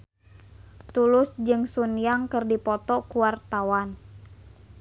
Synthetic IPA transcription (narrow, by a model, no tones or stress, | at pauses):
t̪ulʊsd͡ʒɨŋsunjaŋkɨrdipɔt̪ɔkuwart̪awan